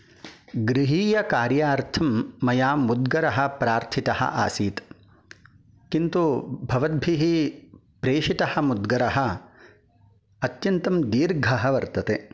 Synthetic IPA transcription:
ɡɾiɦiːjɐkaːɾjaːɾt̪ʰɐmːɐjaːmud̪̚ɡɐɾɐɦɐ̆pɾaːɾt̪ʰit̪ɐhɐ̰ʔa̰ːsiːt̪ | kint̪ubʱɐʋɐd̪̚bʱiɦi | pɾeːʂit̪ɐhɐ̆mud̪ɡɐɾɐɦɐ̆ | ɐt̪jɐnt̪ɐmd̪iːɾɡʱɐɦɐʋɐɾt̪ɐt̪eː

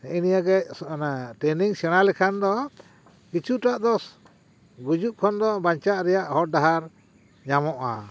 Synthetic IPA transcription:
inijaɡɛnaʈɛniŋsɛɽ̃alɛkʰand̪ɔ | kit͡ʃʰuʈaʔd̪ɔs | ɡud͡ʒuʔkʰɔnd̪ɔbaɲt͡ʃaʔɾɛjaʔhɔɾ̚d̪aɦaɾ | ɲamɔʔa̰

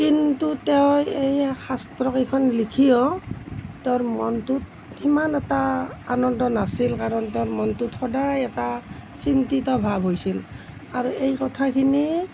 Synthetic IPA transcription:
kintutɛʊejxastɹɔkikʰɔnlikʰijɔ | tɛɹmɔntut̚ | himanɛtaːnɔndɔnasilkaɹɔntɛɹmɔntutxɔdajɛtasintitɔbʱabʱɦojsil | aɹuejkɔtʰakʰini

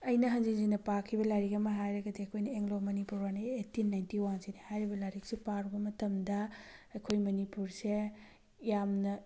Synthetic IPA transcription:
ɐjnɐɦɐnziŋzinɐpakʰibɐlaɾikɐmɐɦajɾɐɡɐdiɐkʰojnɐeŋlomɐnipuɾwanietːinːajntiwaŋsinihajɾibɐlaɾik̚sepaɾubɐmɐtɐmdɐɐjkʰojmɐnipuɾse | jamnɐ

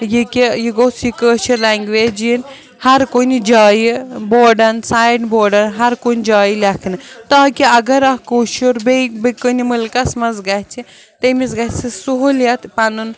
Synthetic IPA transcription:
jikijiɡoːt͡sjikəːʃiɾlaːŋɡʋeːd͡ʒjin | hɐɾkonid͡ʒaːjiboːɖɐnsaːjɖboːɖɐnɦɐɾkonʲd͡ʒaːjilʲɐkʰnɨt̪aːkiɐɡɐɾɐkoːʃuɾbebikənimulkɐsmɐzɡɐt͡ʃʰi | t̪emizɡɐsɨsuɦuljɐt̪pɐnun

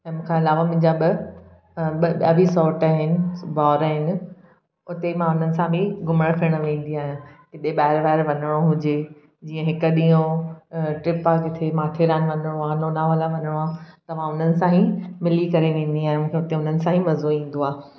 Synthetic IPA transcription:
ɛ̃ːmũːkʰãːɪlaːʋamʊ̃ɦɪ̃ɲd͡ʑabɪ | bɐbisɔːɾʈaɦɪnɪ̆bɔːɾaɦɪnɪ̆ | ʊt̪emãʊn̤ənɪ̆sãbɪ̃ɡʊməɽ̃kʰiəɽ̃ʋẽːn̆d̪iaːɦɪjãkɪɗ̪eɓaːɦɪɾʋaːɦɪɾʋɐnəɽ̃oɦʊd͡ʑe | d͡ʑiːə̃ɦɪkəɗĩːjõ | ʈɾɪpakɪt̪ʰemaːʈʰeːɾaːnɪ̆ʋɐ̃nəɽ̃oaːnoːnaʋaːlaʋɐnəɽ̃oãːt̪ɐʋ̤ãʊn̤ənɪ̆sãːɦĩmɪlikɐɾeʋẽːn̆d̪iaːɦɪ̃mũːkʰeʊt̪eʊn̤ənɪ̆sãɦĩmɐzoĩːn̆d̪oaː

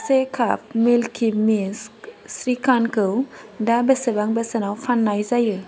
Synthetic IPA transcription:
sekʰap̚milkʰimisksɾikankəwdabəsəbaŋbəsənawfanːajzajə

